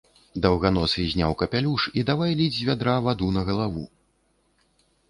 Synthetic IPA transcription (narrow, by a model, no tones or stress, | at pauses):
d̪ɐwɣanɔsʲizʲnʲa̰wkɐpʲalʲuʂid̪avajlʲid͡zʲvʲad̪ɾavad̪unɐɣɐlˠavu